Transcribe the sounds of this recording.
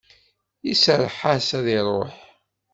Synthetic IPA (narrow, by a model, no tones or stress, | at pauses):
isəɾˤħasæðiɾˤoħ